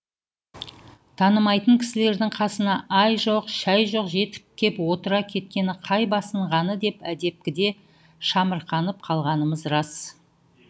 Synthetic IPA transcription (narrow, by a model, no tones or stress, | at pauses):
t̪ʰɑnəmɑjt̪əŋkʲʰɪ̥sɪle̞ɾd̪ɪŋqʰɑsənɑʔɑjʒo̞qʃæjʒo̞qʒe̞t̪ɪ̥kʲe̞pwo̞t̪əɾɑkʲʰe̞t̪̚kʲe̞nɪqʰɑjbɑsəɴʁɑnəd̪e̞pæd̪e̞p̚kʲɪd̪e̞ | ʃɑməɾqʰɑnəp̚qʰɑlˠʁɑnəməzrɑs